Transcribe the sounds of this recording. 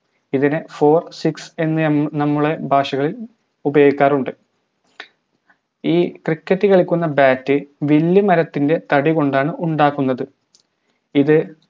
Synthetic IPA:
iðinɨfo̞ːrsikse̞nːɨnɐmːuɭe̞bʱaːʂɐɣɐɭil | ubɐjoːɡikʲːaːruɳɖɨ | iːkrikːɐtːɨkɐɭikʲːunːɐbaːtːɨʋilːimɐɾɐt̪ːinde̞t̪ɐɽiko̞ɳɖaːɳɨʔuɳɖaːkːunːɐðɨ | iðɨ

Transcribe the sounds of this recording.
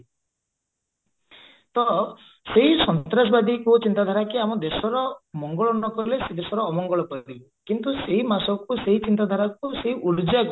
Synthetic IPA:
t̪ɔ | seɦisɔnt̪ɾasɔbad̪ʱikut͡ʃint̪ad̪ʱaɾakiamɔd̪esɔɾɔmɔŋɡɔɭɔnɔkɔɾilesed̪esɔɾɔːmɔŋɡɔɭɔpɔɾib | kint̪useɦimasɔkuseɦit͡ʃint̪ad̪ʱaɾak̚useɦiʔuɾd͡ʒak

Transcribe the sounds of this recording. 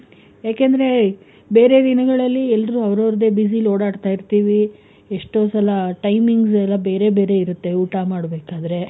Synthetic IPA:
jaːkeːnd̪ɐɾe̞ | be̞ːɾe̞d̪inɐɡɐɭɐlːiɛlːɾuːɐʋɾɐːɾɐd̪e̞ːbis̬iloːɽaːɽt̪aːjiɾt̪iːʋi | eʂʈoːsɐlɐʈɐjmiŋɡsɛlːɐbe̞ːɾe̞be̞ːɾe̞iɾut̪ːe̞uːʈamaːɽbeːkaːd̪ɐɾe̞

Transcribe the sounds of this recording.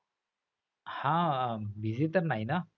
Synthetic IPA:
hãbʱizitəɾnajna

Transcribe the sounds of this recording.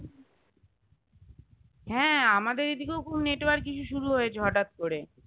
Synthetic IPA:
ɦɛ̃ːamad̪eɾid̪ikewkumneʈbaɾkit͡ɕʰuʃuɾuɦojet͡ɕʰeɦɔʈat̪̚koɾe

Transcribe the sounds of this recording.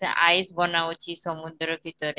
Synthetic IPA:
aʔajsbɔnawt͡ɕisɔmund̪ɾɔbʱit̪ɔɾ

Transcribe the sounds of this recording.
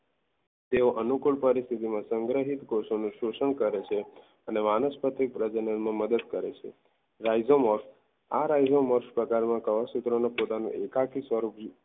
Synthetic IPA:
t̪eoʔənukuɭpəɾist̪ʰit̪imãsəŋɡɾəɦit̪koʃonũʃuʃəɳkəɾet͡ʃʰe | ənemanəspət̪ik̚pɾəd͡ʒənənmãməd̪əd̪kəɾet͡ʃʰḛ | ɾajd͡ʒoməɾʃ | a̰ɾajd͡ʒoməɾʃpɾəkaɾmãkəʋasut̪ɾonopot̪anṵ̃ʔekakʰisʋəɾubd͡ʒ

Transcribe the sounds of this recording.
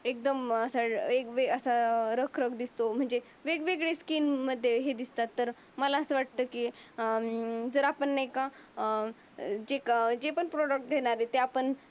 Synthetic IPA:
ek̚d̪əməsaekʋeəsaɾəkʰɾəkʰd̪ist̪om̤əɳd͡ze | ʋeɡʋeɡɭeskinməd̪ʱːjeɦed̪ist̪at̪ːəɾ | məlaəsəʋaʈ̚t̪əki | d͡zəɾapəɳːaeka | d͡ʑekd͡ʑepəɳpɾoɽək̚ʈ̚ɡʱeɽ̃aɾet̪eapəɳ

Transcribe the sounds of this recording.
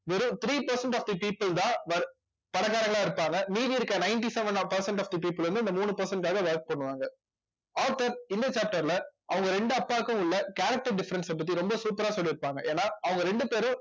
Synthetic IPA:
ʋɛɾɯ̃t̪ɪɾiːpɐɾsɐɳʈaːfd̪ɐpiːpːɯlt̪ãːʋɐɾ | pɐɽɐɣaːɾɐŋɡɐɭãːɪɾɯpːaːŋɡɐniːðiɪɾɯkːɐnɐɪnʈ̬isɛʋɐnpɐɾsɐɳʈaːfd̪ɐpiːpːɯlʋɾɐnd̪ɯɪnd̪ɐmuːɳɯpɐɾsɐɳʈkaːɣɐʋɐɾk̚pɐɳːɯʋaːŋɡɐ | aːʈːɐɾɪnd̪ɐt͡ʃaːp̚ʈɐɾɪlɐʔɐʋɐŋɡɐɾɛɳɖɯɐpːaːkːʊ̃ʊɭːɐkaːɾɐk̚ʈɐɾɖɪfɐɾɐnsɛpːɐt̪̬ːiɾɔmbɐsuːpɐɾaːsɔlːiɪɾɯpːaːŋɡɐʔeːnːaːɐʋɐŋɡɐɾɛɳɖɯpeːɾʊ̃

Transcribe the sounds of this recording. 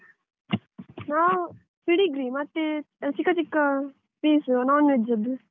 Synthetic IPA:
na | piɽiɡɾimɐt̪ːi | t͡ʃikːɐt͡ʃikːɐ | piːsunaːnʋed͡ʒɐd̪

